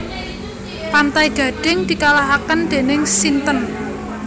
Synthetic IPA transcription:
pant̪ajɡ̥ä̤ɖ̥ɪ̤ŋd̪̥i̤kalaɦakənd̪̥e̤nɪŋsint̪ən

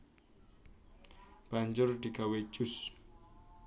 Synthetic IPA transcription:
b̥aɲd͡ʒʊrd̪̥i̤ɡ̥a̤we̥d͡ʒ̥ʊs

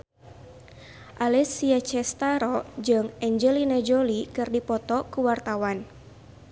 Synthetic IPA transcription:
ʔalɛsiat͡ʃɛst̪aɾɔd͡ʒɨŋɛɲd͡ʒɛlinad͡ʒɔlikɨrdipɔt̪ɔkuwart̪awan

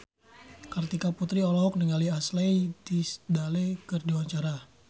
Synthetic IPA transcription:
kərt̪ikaput̪ɾiɔlɔɔk̚niŋaliaslejdisdalekərdiwaɲt͡ʃaɾa

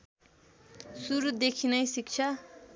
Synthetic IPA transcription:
suɾud̪ekʰinʌjsik̚t͡sʰʌ

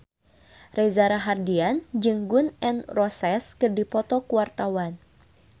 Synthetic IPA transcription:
rɛzaɾaɦardiand͡ʒɨŋɡʊnɛnrɔsɛskɨrdipɔt̪ɔkuwart̪awan

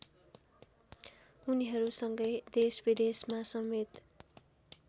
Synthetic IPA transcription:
uniɦʌɾusʌŋɡʌjd̪esbid̪esmasʌmet̪

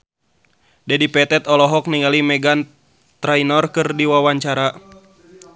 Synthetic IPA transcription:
dɛdipɛt̪ɛt̪ɔlɔɦɔk̚niŋalimɛɡan | t̪ɾainɔrkɨrdiwawaɲt͡ʃaɾa

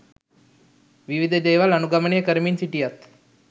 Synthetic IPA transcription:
ʋiʋid̪ʱəd͡ʒəjʋalɐnuɡɐmənejəkəɾminsiʈijat̪

